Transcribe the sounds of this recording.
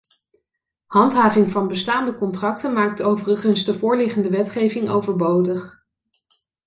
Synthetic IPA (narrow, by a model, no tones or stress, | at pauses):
hɑntɦaːvɪŋvɑnbəstaːndəkɔntrɑk̚tənmaːk̚towvərəχənzdəvʊːɹlɪχəndəʋɛtχejvɪŋo̰wvəɹbowdəχ